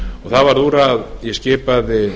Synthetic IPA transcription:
ɔɣθavaɾðuːɾaðjɛscɪːpaðɪ

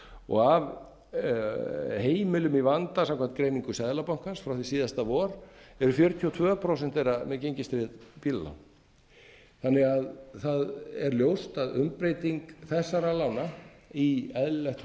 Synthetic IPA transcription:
ɔ̰ɣav | heːjmɪlʏmivant̪asamkʰvan̥t̪̚kɾejniŋkʏsɛðlapawŋ̥kansfɾawθisiːðast̪avɔːɾɛɾʏfjœɾt̪ʰiɔt̪ʰvœːpʰɾowsɛn̥t̪θɛjramɛðcejɲcɪst̪ɾɪðpilla̰wn | θanːɪɣaðθaðɛɾljowst̪aðʏ̰mpɾejt̪iŋkθɛsːaɾalawnaiɛðllɛht̪

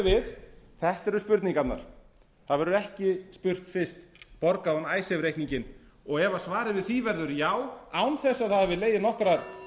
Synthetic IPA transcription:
vɪð | θɛht̪ɛɾʏspʏɾt̪niŋkat̪na̰ɾ̥ | θaðvɛɾʏɛhcɪspʏr̥t̪fɪ̥st̪pɔɾkaðanaːjsɛvɾehkniɲcɪn | ɔɣɛvaðsvaːɾɪvɪðθivɛɾðʏɾjaːwawnθɛsːaðθaðhavɪleːjðɪnɔhkɾaɾ

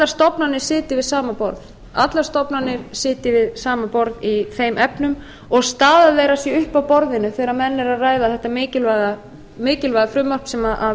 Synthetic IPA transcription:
t̪laɾ̥st̪ɔpnanɪɾ̥sɪːt̪ɪɾvɪðsaːmapɔ̰ɾð | at̪laɾst̪ɔpnanːɪɾ̥sɪːt̪ɪvɪðsaːmapɔɾðiθejmʔɛpnʏm | ɔɣst̪aːðaðveːjɾasjɛʏhpawpɔɾðɪnʏθɛːɾaɾmɛnːɛɾaðraːjðaθɛht̪ːamɪːcɪlvaɣa | mɪːcɪlvajɣafɾʏmːar̥psɛmaʔa

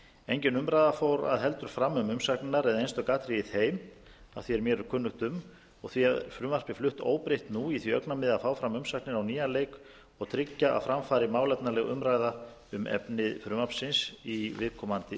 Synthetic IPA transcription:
ejɲcɪnʏmɾajðafoːwɾa̰ðɦɛlt̪ʏɾ̥fɾamːʏmʏmsaknnaɾɛðaejnst̪œkaːt̪ɾɪɪðeːjm | a̰θviɛɾmjɛɾʏɾkʰʏnːʏht̪ʏm | ɔɣθviaðfɾʏːmar̥pɪflʏht̪o̰ːwpɾejht̪nuiθviœknamɪðaðfaːwfɾamʏmsaknɪɾawniːjalejk | ɔɣt̪ʰɾɪcːaʔa̰ðfɾamfaːɾɪmaːwlɛt̪̚nalɛɣʏ̰mɾajða | ʏmʔɛ̰pnɪðfɾʏːmapsɪnsivɪðkʰɔmant̪ɪ

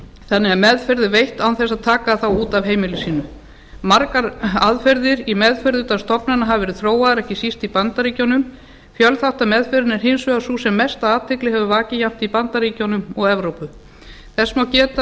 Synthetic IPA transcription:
θanːɪamɛðfɛɾðɪvejht̪awnθɛsːaðt̪ʰaːkaθawuːt̪avɦeːjmɪlʏsiːnʏ | maɾkaɾaðfɛɾðɪɾimɛðfœɾðʏt̪aðst̪ɔpnanaɦavvɛɾɪðθɾoːwaðaɾɛhcɪsist̪ipant̪aɾiːcownʏm | fjœlθawht̪aðmɛðfɛɾɪnɛɾ̥ɦensʏasuːsɛmːɛst̪aaːt̪ʰɪklɪhɛvʏvaːcɪjam̥t̪ipant̪aɾiːcownʏmɔɣɛvɾowpʏ | θɛsːmawcɛːt̪a

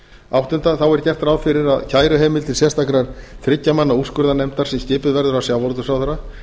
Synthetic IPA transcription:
awht̪ʏnt̪aθawɛɾcɛr̥t̪ɾawðfɪɾɪɾaðcʰaːjɾʏɦɛːmɪlt̪ʰɪlsjɛst̪akɾaɾ̥θɾɪcːamanːauskʏɾðanɛjmt̪aɾ̥sɛmscɪːpʏðvɛɾðʏɾawsjaːwvɔɾt̪ʏsawθœɾa

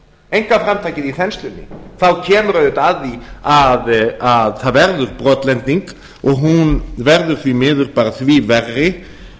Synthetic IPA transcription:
ejŋkafɾamt̪ʰajcɪðiθɛnst̪lʏnːɪ̰θawcʰɛːmʏɾœðʏt̪aðiaðaðθaðvɛɾðʏɾpɾɔːt̪lɛnt̪niŋk | ɔɣɦunvɛɾðʏɾ̥θvimɪːðʏɾpaːɾaθvivɛrːɪ

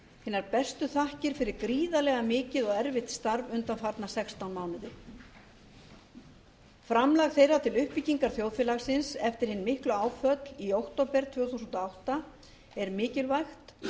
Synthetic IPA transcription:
hɪːnːaɾpɛst̪ʏθahcɪɾ̥fɪɾɪɾkɾiːðalɛɣamɪːcɪðɔɣɛɾvɪht̪st̪aɾvʏnt̪amfaɾt̪nasɛkst̪awnmaːwnɪðɪ | fɾamlaɣθejɾat̪ʰɪlʏhpiciŋkaɾ̥θjowðfɛlaɣsɪnsɛft̪ɪɾ̥hɪnːmɪhklʏaːwfœt̪liowxt̪owpɛɾ̥t̪ʰv̥œːθusʏnt̪ɔawht̪a | ɛɾmɪːcɪlvajxt̪

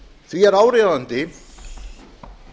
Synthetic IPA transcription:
θviɛɾaːwɾeðant̪ɪ

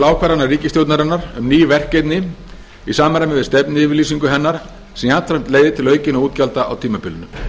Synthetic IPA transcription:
laːwkʰvaɾanaɾriːcɪst̪jowt̪naɾanːaɾʏmniːjʏvɛr̥cejt̪nɪ | isaːmaɾamɛvɪst̪ɛpnɪɪvɪɾliːsiŋkʏɦɛnːaɾ̥ | sɛmjat̪ʰɾajm̥t̪leːjðɪt̪ʰɪlœːɥcɪnauːt̪calt̪aa̰wt̪ʰiːmapɪlʏnʏ

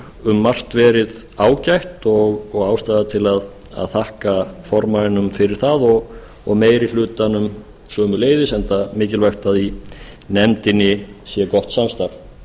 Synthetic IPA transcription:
ʏmːar̥t̪vɛːɾɪð | aːwcajht̪ɔɣːɣaːwst̪aːðat̪ʰɪlað | a̰ðθahkafɔɾmaɪnʏmfɪɾɪɾ̥θaðɔɣ | ɔɣmeːjɾil̥ʏːt̪anʏm | sœːmʏleːjðɪsɛnt̪amɪːcɪlvaht̪aðinɛmt̪ɪnɪsjɛkɔht̪samst̪aɾv

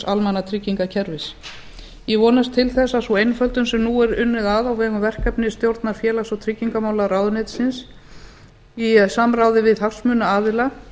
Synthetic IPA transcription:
salmanat̪ʰɾɪcːiŋkacʰɛɾvɪs | jɛvɔːnast̪ʰːɪlθɛsːasɔejnfœlt̪ʏnsɛmnuːɛɾʏnːʏðaðawvɛːɣʏmvɛr̥kapnɪst̪jowɾt̪naɾfjɛːlasɔt̪ʰɾɪcːiŋkamaːwlaraːwðʏnet̪sɪns | isamrawðɪvɪðhafsmʏnaaːðɪla

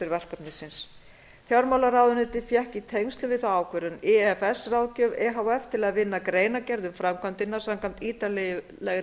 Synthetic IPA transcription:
ɪɾvɛr̥kat̪nɪsɪns | θjawɾmawlaɾawðʏnɪt̪ɪfjɛhcit̪ʰejŋst̪lʏmvɪθaːwkvɛɾʏnɛɛfɛsrawcœːvɛɦawɛft̪ʰɪlaðvɪnːakɾeːjnacɛɾðʏmfɾamkʰvant̪ɪnːḁsamkʰan̥t̪iːt̪alɛjɪ | lɛɣ

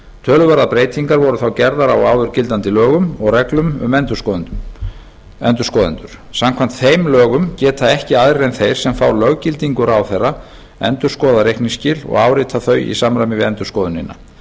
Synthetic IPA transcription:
t̪ʰœːlʏvaɾðapɾeːjt̪ʰiŋkaɾvɔɾʏθawcɛɾðaɾawaːwðʏɾcɪlt̪ant̪ɪlœːɣʏmɔɣrɛklʏmʏ̰mɛnt̪ʏɔ | ɛnt̪ʏ̥skɔðɪ̰nt̪ʏɾ̥ | samkʰvam̥n̥t̪θejmlœːɣʏmcɛːt̪ʰaɛhcɪaðɾɪɾejnθejɾ̥sɛmfawɾlœɣcɪlt̪iŋkʏɾawθerːa | ɛnt̪ʏɾ̥skɔːðaɾejhkniscɪːlɔ̰ɣaːwɾɪːt̪ʰaθœːɥḭsamɾajmɪvɪðɛnt̪ʏ̥ɾskɔːðʏnɪ̰nːa̰

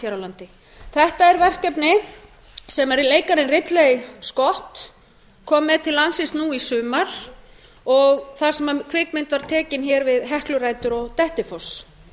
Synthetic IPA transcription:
fjaɾalant̪ɪ | θɛht̪aɛɾvɛr̥kɛpnɪ | sɛmɛɾileːjkaɾɪnrɪt̪lejskɔht̪ | kʰɔːmːɛðt̪ʰɪlːansɪst̪nuisʏːmaɾ̥ | ɔɣθaɾ̥sɛmakʰvɪkmɪnt̪vaɾ̥t̪ʰɛːcɪnçɛɾvɪðɦɛhklʏɾaːjt̪ʏɾɔɣt̪ɛht̪ɪfɔs

